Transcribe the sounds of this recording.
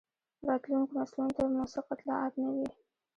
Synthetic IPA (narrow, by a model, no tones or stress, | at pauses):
ɾɑt̪luŋkomaslunt̪amʊsɪqat̪lɑ̰ʔat̪nawi